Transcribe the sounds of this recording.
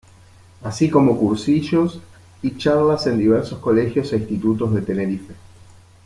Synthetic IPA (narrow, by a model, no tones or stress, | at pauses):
asiko̞mo̞kuɾsiʒos | it͡ʃaɾlase̞nd̪iβeɾsosko̞lexjoseĩnst̪it̪ut̪o̞zðe̞t̪e̞ne̞ɾife̞